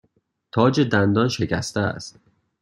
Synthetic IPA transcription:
t̪ʰɒːd͡ʒed̪ænd̪ɒːnʃe̞cʰæst̪ææ̰st̪

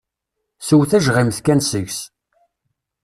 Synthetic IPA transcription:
suwθæʒʁimθkænsəʝs

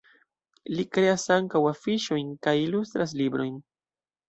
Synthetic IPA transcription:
likɾe̞asaŋkawafiʃo̞jnkajilust̪ɾas̬libɾo̞̰jn

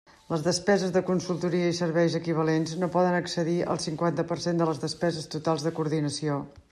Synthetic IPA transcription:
ləzðəspɛzəzðəkunsulˠt̪uɾiəisəɾβɛjzəkiβ̞əlenznopɔðənəksəðiə̰lˠsiŋkwant̪əpəɾsend̪ələzðəspɛzəst̪ut̪alˠzðəkuɾðinəsio

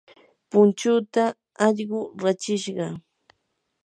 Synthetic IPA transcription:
pʊnt͡ʃʊt̪a | ɑʎɢʊɾat͡ʃɪʃɢɑ

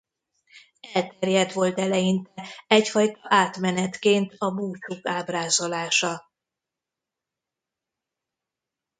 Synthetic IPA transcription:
ɛlt̪ɛrjɛd̪ʋo̞lt̪ɛlɛjint̪ɛɛcfɒjt̪ɒʔaːt̪mɛnɛt̪keːnt̪ɒbuːt͡ʃukaːbraːzo̞laːʃɒ

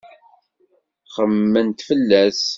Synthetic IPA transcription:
χəmːənt̪fəlːæs

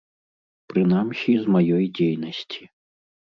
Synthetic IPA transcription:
pɾɨnamsʲizmajɔjd͡zʲejnɐsʲt͡sʲi̥

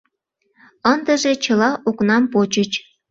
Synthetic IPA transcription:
ənd̪ə̆ʒet͡ɕə̆lɑʔuknɑmpot͡ɕə̆t͡ɕ

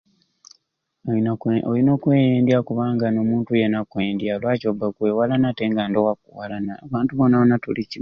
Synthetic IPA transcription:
oino̞kweːjeːndjakuβaːŋɡano̞muːntujenakweːndjalwaːcobakweːwalanateŋɡaːndowak̚uwalanaːβaːntuβonːaβonatulici

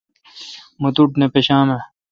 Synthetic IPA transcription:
mot̪uʈnepeɕaːme

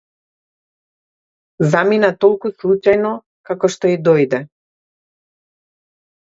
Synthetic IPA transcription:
zaminat̪ɔlˠkuslˠut͡ʃajnɔ | kakɔʃt̪ɔid̪ɔjd̪ɛ

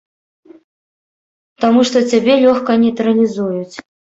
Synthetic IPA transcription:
t̪amuʂt̪ɔt͡sʲabʲɛlʲɔxkɐnʲɛt̪ɾɐlʲizujut͡sʲ

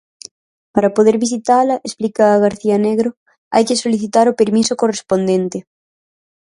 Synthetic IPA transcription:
paɾapoðeɾβis̬it̪alɐʔesplikaːɣ̞aɾθianeɣɾo | a̰jkesoliθit̪aɾopeɾmisokorespond̪ent̪e

